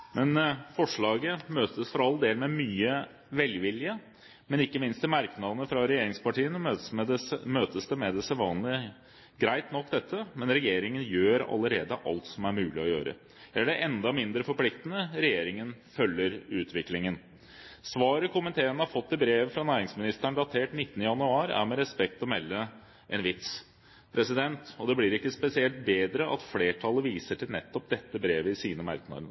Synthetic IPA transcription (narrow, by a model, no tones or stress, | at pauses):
mɛnfɔʂɭɑːɡəmøːt̪əsfɔɾɑlːd̪eːlmɛmyːə | ʋɛlʋɪlɪə | mɛnɪkːəmɪnst̪ɪmæɾknɑd̪ənəfɾɑɾɛjeːɾɪŋspɑʈiːən | møːt̪əsd̪ɛmɛd̪ɛsɛʋɑːnlə | ɡɾæɪt̪nɔkːd̪ɛt̪ʰːəmɛnɾɛjeːɾɪŋənjøːɾɑ̰lːəɾeːd̪əʔɑ̰lt̪sɔmæɾmʉːlɪɔjø̰ːɾə̰ | æɖɛʔɛnd̪ɑmɪnd̪ɾəfɔɾpʰlɪkt̪ənəɾɛjeːɾɪŋənfœlːəɾʉːt̪ʰʋɪklɪŋən | sʋɑːɾəkʰʊmənt̪ʰeːənəhɑɾfɔt̪ːɪbɾeːʋəfɾɑnæːɾɪŋsmɪnɪst̪æɳɖ̪ɑt̪ʰeːʈnɪt̪ːənəjɑnʉɑːɾæ̰ɾmɛɾɛspɛk̚t̪ɔmɛlːə | ʔɛnʋɪt̪s | pʰɾɛsɪd̪ɛnt̪ɔd̪ɛblɪɾɪkːəspɛsɪɛlt̪̚beːd̪ɾəʔɑ̰t̪fleːʈʰɑlːəʋiːsəʈʰɪlnɛt̪ːɔp̚d̪ɛt̪ːəbɾeːʋəɪsiːnəmæ̰ɾknɑ̰d̪